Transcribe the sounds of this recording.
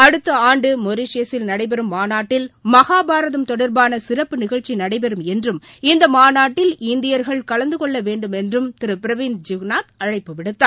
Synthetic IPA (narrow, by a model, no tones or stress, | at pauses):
ɐɽɯt̪ːɐaːɳɖɯmɔɾɪʂjɐsɪlnɐɽɐɪbɛɾɯmːaːnaːʈːɪlmɐɣaːbaːɾɐðɐmt̪ɔɽɐɾbaːnɐsɪɾɐpːɯnɪɣɐɻt͡ʃːinɐɽɐɪbɛɾɯmɛndrɯmɪnd̪ɐmaːnaːʈːɪlɪnd̪ɪjɐɾɣɐɭkɐlɐnd̪ɯkɔɭːɐʋeːɳɖɯmɛndrɯmt̪ɪɾɯpɪɾɐʋiːnd̪d͡ʒʊɡnaːt̪̚ɐɻɐɪpːɯʋɪɽɯt̪ːaː